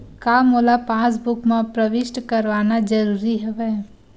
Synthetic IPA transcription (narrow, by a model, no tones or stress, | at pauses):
kaːmolapãːs̬bʊkmãpɾəʋɪʃʈkəɾʋaːnad͡ʒəɾuːɾiɦɛʋɛ